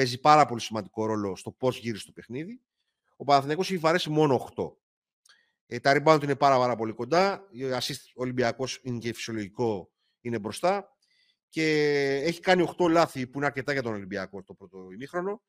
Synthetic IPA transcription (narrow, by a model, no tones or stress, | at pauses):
pe̞zipɐɾɐpo̞lisimɐnd̪iko̞ɾo̞lo̞st̪o̞po̞zʝiɾisst̪o̞pe̞xniði | o̞pɐnɐθiniɐko̞seçivɐɾesimo̞no̞ːxt̪o̞̰ | t̪ɐɾibɐnot̪inepɐɾɐpɐɾɐpo̞liko̞nd̪ɐɐsis | olimbiɐko̞sinecefi̥sio̞lo̞ʝiko̞ | ine̞bɾo̞st̪ɐ | ce̞eçi̥kɐnio̞xt̪o̞lɐθipuineɐɾce̞t̪ɐʝɐt̪onolimbiɐko̞t̪o̞pɾo̞t̪oimixɾo̞no̞